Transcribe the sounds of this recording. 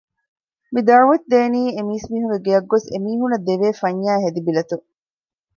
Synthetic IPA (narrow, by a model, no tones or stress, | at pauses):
mid̪ɐɾuʋɐt̪̚d̪eːniːemiːsmiːɦuŋɡeɡeɐɡːosḛmiːɦunɐd̪eʋeːfɐɲːaːɦed̪ibilɐt̪u